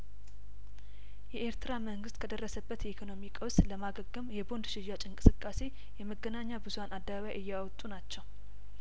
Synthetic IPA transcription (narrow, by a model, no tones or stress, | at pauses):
jɛʔeɾt̪ʰɨɾaməŋɡɨst̪kʰəd̪ərːəsəbːət̪jɛikʰo̞no̞mikʼəwsləmaɡəɡːɨmjɛbo̞nd̪ʃɪʒat͡ʃʼɪnkʼɨ̥sɨkʼːase̞ | jɛməɡːənaɲːabɨzuhanʔad̪ːəβaβajʔɨjːɛawt̪ʼunat͡ʃːɛw